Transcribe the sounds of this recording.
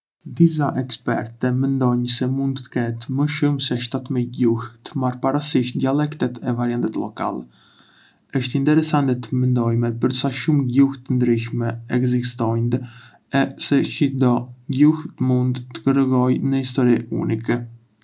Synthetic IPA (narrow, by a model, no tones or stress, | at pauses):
d̪is̬aʔɛkspɛɾt̪ɛmɛnd̪ɔɲsɛmund̪t̪ə̥kɛt̪məʃumsɛʃt̪at̪miɟuht̪əmaɾpaɾasiʃt̪̚d̪ialɛkt̪ɛt̪ɛvaɾjant̪ɛt̪lɔka̰lɛ | əʃt̪int̪ɛɾɛsant̪ɛt̪əmɛnd̪ɔjmɛpəɾsaʃumɟuht̪ənd̪ɾiʃmɛɛɡzist̪ɔjnd̪ | ɛsɛʃid̪ɔɟuhət̪mund̪t̪ːə̥kəɾəɡɔjnəhist̪ɔɾiṵnikɛ